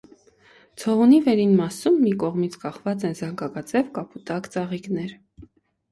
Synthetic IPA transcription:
t͡sʰɔʁunivɛɾinmɑsumːikɔʁmit͡sʰkɑχvɑt͡sɛnzɑŋkɑkɑt͡sɛvkɑpʰut̪ɑkt͡sɑʁiknɛɾ

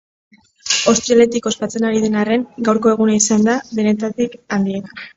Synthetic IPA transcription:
owst̪ɾiale̞t̪iko̞spat͡se̞naɾiðe̞nare̞ŋɡawɾko̞e̞ɣ̞unaisand̪aβe̞ne̞t̪at̪ikand̪iet̪a

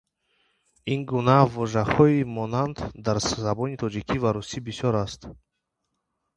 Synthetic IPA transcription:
inɡunavɔʒahɔimɔnand̪d̪aɾzabɔnit̪ʰɔd͡ʒikʰivaɾusibisjɔɾast̪

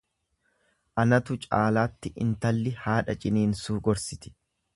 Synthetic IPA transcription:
ʔɐnɐt̪ʊt͡ʃʼaːlaːt̪ːɪʔɪ̰nt̪ɐlːɪhaːᶑɐt͡ʃʼɪniːnsuːɡɔɾsɪt̪ɪ̥

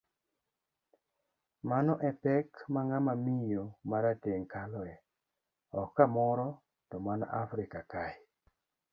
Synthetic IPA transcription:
manɔʔɛpɛkmaŋamamijomaɾateŋkalɔɛ | ɔkːamɔɾɔ | tɔmanɔ̰ʔafɾɪkakaɪ

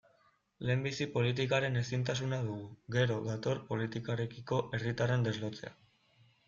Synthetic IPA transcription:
le̞ːmbisipo̞lit̪̬ikaɾe̞ne̞sint̪asunaðuɣuɣe̞ɾo̞ðat̪o̞rpo̞lit̪ikaɾe̞kiko̞ʔe̞rit̪are̞nd̪e̞zlo̞t͡se̞̰a̰

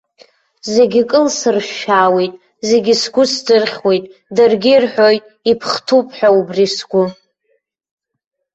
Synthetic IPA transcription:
ze̞ɡʲikʼɨlsɨrʃaːwejtʼ | ze̞ɡʲɪsɡʷʊsd͡zɨrχʲwe̞jtʼdɨrɡʲirħʷᶣojtʼ | ipʰχtʰupʼħʷᶣaubrisɡʷʊ

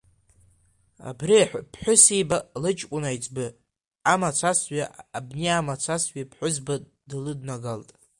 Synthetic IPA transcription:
a̰briħʷpʰħʷʊsibalɨt͡ʃʼkʷʼʊnajt͡sʼbɨ | amat͡sʷʰasɥaʔabneamat͡sʷʰasɥipʰħʷʊzba | dɨlɨdnaɡaltʼ

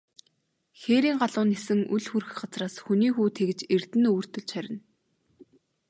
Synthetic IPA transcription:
xeːɾiːŋɢaɮʊːnːesɘ̆ŋṵɮxurɘ̆xɢat͡sraːsxuniːxuːt̪ʰekɘ̆t͡ɕert̪ɘ̆nɵwɵ̆r̥t̪ɵ̆ɮt͡ɕχæɾʲɪ̆n

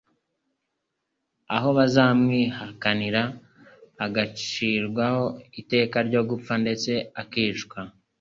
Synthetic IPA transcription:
a̰ɦo̞βazaːmŋiːhakaniɾaː | ɡat͡ʃiɾɡwaho̞ite̞ːkaɾɟo̞ɡup͡fande̞t͡se̞akiːt͡ʃkwa

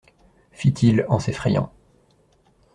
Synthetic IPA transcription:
fit̪ʰilɑ̃sefχɛjɑ̰̃

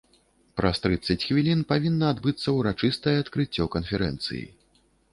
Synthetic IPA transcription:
pɾʔɐst̪ɾɨt̪sːɐt͡sʲxvʲilʲinpavʲinːɐːd̪bɨt̪sːɐwɾat͡ʂɨst̪ɐjɛat̪kɾɨt͡sʲːɔkɐnfʲɛɾɛ̰nt̪sɨ̰jḭ

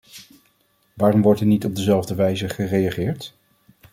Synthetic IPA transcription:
ʋaːrɔmʋɔɹtɛnitɔb̚dəzɛlˠvdəʋɛjzəχərejaχɪːɹt

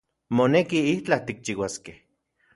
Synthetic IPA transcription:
monekiiht͡ɬat̪ik̚t͡ʃiwaskeh

